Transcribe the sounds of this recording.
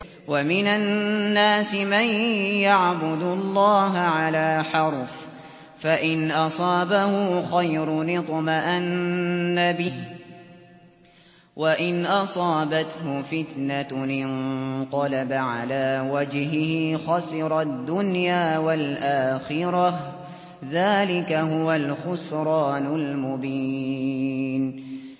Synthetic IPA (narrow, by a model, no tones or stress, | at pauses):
wamɪnanːaːsɪmanjaʕbʊd̪ʊlˤːɑːɦaʕalaːħɑɾˤf | faʔɪnʔɑsˤɑːbahʊxajɾʊnɪt̪maʔanːabɪh | waʔɪnʔɑsˤɑːbat̪hʊfɪt̪naɪnq̪ɑlabaʕalaːwad͡ʒɦɪhɪxɑsɪɾˤɑd̪ːʊnjaːwalʔaːxɪɾɑ | ðaːlɪkaɦʊwalxʊsɾˤɑːnʊlmʊbiː | n